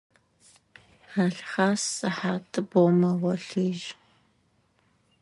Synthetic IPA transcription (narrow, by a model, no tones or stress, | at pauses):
aɬχaːsɐħaːtʰʼɨbomɐwɐɬiːʒ